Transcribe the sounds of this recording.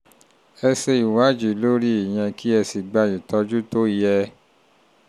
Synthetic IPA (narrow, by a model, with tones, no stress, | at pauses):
ɛ˧se˧i˨wa˨˦d͡ʒi˨lo˦ɾi˦i˨j̃ɛ̃˧kʰi˦ɛ˧si˨ɡ͡ba˧ji˨tɔ˧d͡ʒu˦to˦i˨jɛ˧